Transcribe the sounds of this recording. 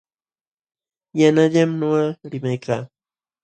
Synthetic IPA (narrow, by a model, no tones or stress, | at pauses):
janaʎamnoɢaɾɪmajkʰaː